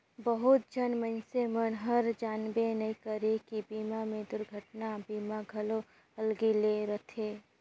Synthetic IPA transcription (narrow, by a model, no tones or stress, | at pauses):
bəɦʊt̪̚d͡ʒʱənmənsemənɦəɾd͡ʒaːnbenɐĩkəɾekibiːmamẽd̪ʊɾɡʱəʈnabiːmaɡʱɐlo | ɐlɡileɾɐt̪ʰeː